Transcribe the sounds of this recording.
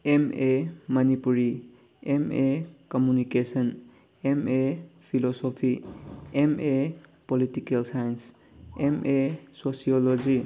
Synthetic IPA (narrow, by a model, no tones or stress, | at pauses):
ememɐnipuɾi | emekɔmjunikesən | emepʰilosopʰiemepolitikelsajns | emʔesosijolod͡ʒi